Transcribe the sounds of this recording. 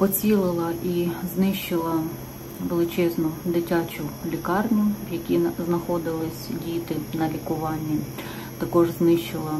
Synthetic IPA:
pɔt͡sʲilˠɪlˠɐʔiznɪʃt͡ʃɪlˠɐ | ʋelˠɪt͡ʃɛznʊd̪ɪtʲat͡ʃʊlʲikɑrnʲʊʋjɐkʲiznɐxɔd̪ɪlˠɪsʲdʲit̪ɪnɐlʲikʊʋɑnʲːi | t̪ɐkɔʒznɪʃt͡ʃɪlˠɐ

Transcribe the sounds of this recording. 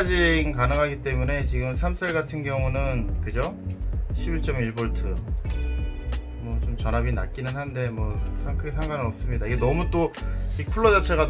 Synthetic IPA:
d͡ʑinkanɯŋɦaɡit͈e̞mune̞t͡ɕiɡɯmsʰams͈ʰeɭɡatʰɯnɡjʌŋunɯnkɯd͡ʑoɕʰibiɭt͡ɕ͈ʌmiɭboɭtʰɯ | mwʌt͡ɕomt͡ɕʌnɦabina̰t̚k͈inɯnhande̞mwʌkusʰaŋkʰɯɡesʰaŋɡwanɯnʌp̚s͈ɯmɲidaiɡe̞nʌmut͈oipʰuɭːʌd͡ʑʌt͡ɕʰeɣa

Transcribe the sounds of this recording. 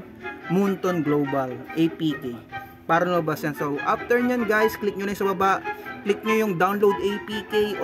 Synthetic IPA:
munt̪onɡlowbɐlʔejpiːkej | paːɾɐnobɐsjɐnsowʔaft̪ɛɹɲanɡajsklɪk̚ɲonɐjsɐbɐbaʔklɪk̚ɲojʊŋd̪awnlowd̪ejpiːkej

